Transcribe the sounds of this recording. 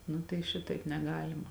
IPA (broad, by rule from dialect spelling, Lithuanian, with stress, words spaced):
ˈnʊ tɐɪ ˈʃʲɪtɐɪp nʲɛˈɡɑːlʲɪmɐ